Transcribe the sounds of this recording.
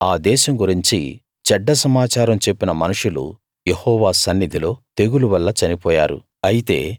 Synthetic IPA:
aːd̪ɛːʃɐmɡuɾiɲt͡ʃḭ | t͡ʃɐɖːɐsɐmaːt͡ʃaːɾɐmt͡ʃe̞pːinɐmɐnuʂulṵ | jehɔːʋaːsɐnːid̪ʱilo̞ːt̪e̞ɡuluʋɐlːɐt͡ʃɐnipɔːja̰ːɾṵ | ɐjit̪e̞̰ː

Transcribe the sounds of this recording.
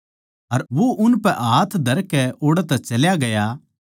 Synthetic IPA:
ɐɾʋoʔʊnpɛʔaːt̪ʰd̪ʱɐɾkɛoːɽɛt̪ɛt͡ʃɐljaɡɐja

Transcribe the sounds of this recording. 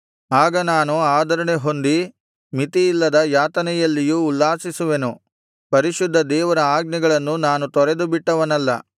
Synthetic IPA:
aːɡɐnaːnuaːd̪ɐɾɐɳeɦo̞nd̪i | mit̪iːlːɐd̪ɐjaːt̪ɐnɛjɐlːijuːlːaːsisuʋe̞nu | pɐɾiʃud̪ʱːɐd̪ɛːʋɐɾɐaːɡniɡɐɭɐnːunaːnut̪ɔɾe̞d̪ubiʈːɐʋɐnɐlːɐ

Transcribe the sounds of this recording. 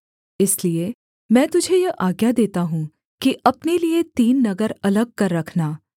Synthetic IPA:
ɪslie | mɛ̃ːt̪ʊd͡ʒʱejɐʔaːɡjad̪eːt̪aɦũ | kiʔɐpneliet̪iːnːɐɡəɾɐləɡ̚kɐɾːɐkʰnaː

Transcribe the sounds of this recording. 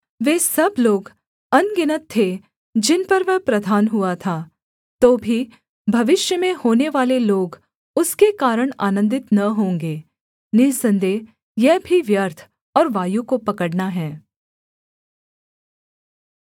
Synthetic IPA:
ʋeːsɐbloːɡ | ɐnɡɪnət̪ʰːe | d͡ʒɪnpɐɾʋɛɦpɾɐd̪ʱaːnɦʊat̪ʰaː | t̪oːbʱi | bʱɐʋɪʃjəmẽhoːneʋaːleloːɡ | ʊskekaːɾəɽ̃a̰ːnə̃nd̪ɪt̪nɐɦõːŋɡeː | nɪsə̃nd̪eː | jɛɦbʱiʋjəɾt̪ʰ | ɔːɾʋaːjukopɐkəɽnaɦɛ̃ː

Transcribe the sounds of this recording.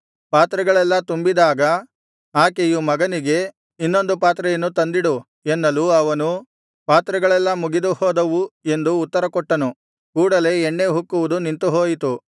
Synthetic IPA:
paːt̪ɾɛɡɐɭɛlːɐt̪umbid̪aːɡɐ | aːkejumɐɡɐniɡe̞ | inːo̞nd̪upaːt̪ɾɛjɐnːut̪ɐnd̪iɽu | enːɐluɐʋɐnu | paːt̪ɾɐɡɐɭɛlːɐmuɡid̪uhɔːd̪ɐʋue̞nd̪uːt̪ːɐɾɐkɔʈːɐnu | kuːɽɐle̞ːɳːe̞ɦukːuʋud̪unint̪uɦoːjit̪u

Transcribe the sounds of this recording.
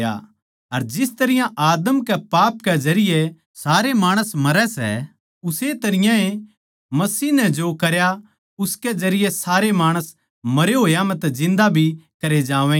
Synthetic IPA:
a̰ | ɐɾd͡ʒɪst̪ɐɾɪjãʔaːd̪əmkɛpaːpkɛd͡ʒɐɾɪje | saːɾemaːɽ̃əsmɐɾɛsɛ̰ | ʊset̪ɐɾɪjãe | mɐsiːnɛd͡ʒokɐɾja | ʊskɛd͡ʒɐɾɪjɛsaːɾemaːɽ̃əs | mɐɾeɦoːjamɛ̃t̪ad͡ʒɪ̃nd̪abʱikɐɾed͡ʒaːʋɛ̃

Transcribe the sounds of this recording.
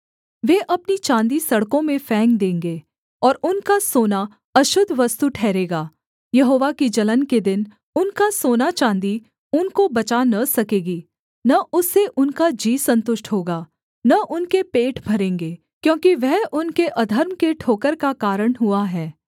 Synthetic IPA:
ʋeːʔɐpnit͡ʃãːnd̪isɐɽkõmẽfɛ̃ːŋɡ̚d̪ẽːŋɡeː | ɔːɾʊnkasoːna | ɐʃʊd̪ʱʋɐst̪uʈʰɛːɾeːɡaː | jɐɦoːʋakid͡ʒɐlənked̪ɪn | ʊnkasoːnat͡ʃãːnd̪i | ʊnkobɐt͡ʃanɐsɐkeːɡiː | nɐʔʊsːeʔʊnkad͡ʒiːsɐ̃nt̪ʊʃʈɦoːɡaː | nɐʔʊnkepeːʈʰbʱɐɾẽːŋɡeː | kjõːkiʋɛɦʔʊnkeʔɐd̪ʱəɾmkeʈʰoːkəɾkakaːɾəɽ̃ɦʊaɦɛː

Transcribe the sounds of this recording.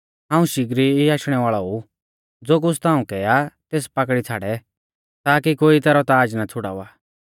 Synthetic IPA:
ɦãːũʃɪɡɾiiaːʃɽ̃ɛʋaːɭɔu | d͡zoːk̬ʊst̪aːũkɛːat̪eːspɐkɽit͡sʰaːɽɛ | t̪aːkikoːit̪ɛːɾɔt̪aːd͡ʒnat͡sʰʊɽa̰ːʋaː

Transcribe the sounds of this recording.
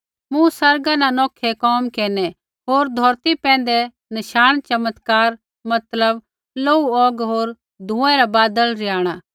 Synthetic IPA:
mũsɐɾɡanãnɔːkʰɛkɔːmkeːnɛ | ɦoːɾd̪ʱɔːɾt̪ipɛ̃ːn̆d̪ɛ | nɐʃaːɽ̃t͡ʃɐmət̪kaːɾ | mɐt̪ləb | loːuɔːɡɦoːɾ | d̪ʱũːɛ̃ɾabaːd̪əlɾɪaːɽ̃aː

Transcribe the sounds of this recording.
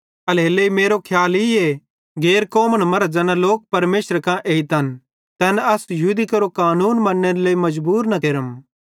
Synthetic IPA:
ɐlɦeːleimeːɾokʰjaːlie | ɡeːɾkoːməɽ̃mɐɾd͡ʒɐnãloːk̚pɐɾmeːsəɾkãʔeːit̪ɐn | t̪ɛːnɐsjɦuːd̪ikɐɾokaːnuːnmɐnːeɾleːimɐd͡ʒbuːɾnɐkeːɾəm

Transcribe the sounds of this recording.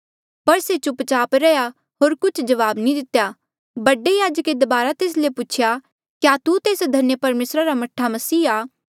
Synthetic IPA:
pɐɾset͡ʃʊpt͡ʃaːpɾɛja | ɦoːɾkʊt͡ʃʰd͡ʒɐʋaːbnĩd̪ɪt̪ja | bɐɖejaːd͡ʒəked̪ɐbaːɾat̪eːs̬lepuːt͡ʃʰja | kjaːt̪ut̪eːsd̪ʱɐnjəpɐɾmeːsɾaɾamɐʈʰːamɐsiːaː

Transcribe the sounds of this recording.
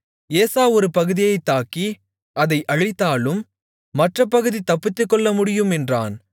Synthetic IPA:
eːsaːɔɾɯpɐɣɯðɪjɐɪt̪ːaːki | ɐðɐɪʔɐɻɪt̪ːaːlɯmː | ɐʈrɐpːɐɣɯðit̪ɐpːɪt̪ːɯkːɔɭːɐmʊɽɪjɯmɛndra̰ːn

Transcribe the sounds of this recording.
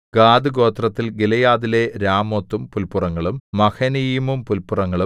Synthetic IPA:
ɡaːd̪ɨɡo̞ːt̪rɐt̪ːilɡelɐjaːðile̞ɾaːmot̪ːumpulpurɐŋːɐɭumːɐkʰɐnijimumpulpurɐŋːɐɭu

